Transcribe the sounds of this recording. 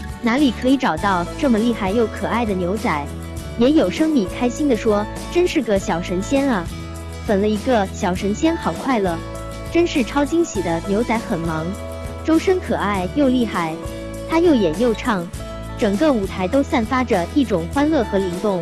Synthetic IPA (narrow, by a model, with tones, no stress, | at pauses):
na˧˥li˨˩kʰɤ˧˥i˧˥ʈ͡ʂɑ˨˩ʊt̪ɑ˥˧ʊʈ͡ʂɤ˥˩mə˩li˥˧xa˥˧ɪjo˥˩ʊkʰɤ˨˩a˥˩ɪd̪ə˩njo˧˥ʊt͡sa˧˩˦ɪ | jɛ˧˥jo˨˩ʊʂɤ˥ŋmi˨˩kʰa˥ɪɕi˥nd̪ə˨ʂwɔ˥ | ʈ͡ʂə˥nʂɻ̩˥˩ɡə˩ɕjɑ˨˩ʊʂə˧˥nɕjɛ˥nɐ˨ | fə˨˩nlə˦i˧˥ɡə˧ɕjɑ˨˩ʊʂə˧˥nɕjɛ˥nxɑ˨˩ʊkʰwa˥˩ɪlə˩ | ʈ͡ʂə˥nʂɻ̩˥˩ʈ͡ʂʰɑ˥ʊt͡ɕi˥ŋɕi˨˩d̪ə˦njo˧˥ʊt͡sa˧˥ɪxə˨˩nmɑ˧˥ŋ | ʈ͡ʂo˥ʊʂə˥nkʰɤ˨˩a˥˩ɪjo˥˧ʊli˥˧xa˥˩ɪ | t̪ʰa˥jo˥˩ʊjɛ˨˩njo˥˧ʊʈ͡ʂʰɑ˥˩ŋ | ʈ͡ʂɤ˨˩ŋɡə˥˩u˨˩t̪ʰa˧˥ɪt̪o˥ʊsa˥˩nfa˥ʈ͡ʂə˧i˥˩ʈ͡ʂʊ˨˩ŋxwa˥nlɤ˥˩xɤ˧˥li˧˥ŋt̪ʊ˥˩ŋ